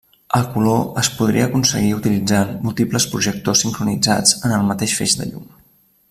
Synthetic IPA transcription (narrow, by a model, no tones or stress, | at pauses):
əlˠkuloəspuðɾḭəːkunsəɣ̞iut̪ilid͡zanmulˠt̪ipləspɾuʒək̚t̪osːiŋkɾunid͡zad͡zənəlˠmət̪eʃfḛʒd̪ə̰ʎṵm